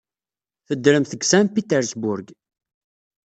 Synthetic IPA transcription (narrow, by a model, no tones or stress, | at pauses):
θəd̪ːɾəmθəɡsæmpit̪ɛɾsbʊɾɡ